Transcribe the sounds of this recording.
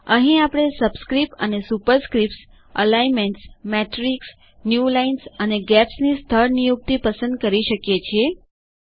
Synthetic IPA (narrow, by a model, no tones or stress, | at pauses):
əɦĩapɽ̃esəbskɾipə̰nesupəɾskɾipʈs | ə̰laimeɳʈsmɛʈɾiks | njulainsəneɡɛpsnist̪ʰəɾnijuk̚t̪ipəsə̃nd̪̚kəɾiʃəkjet͡ʃʰie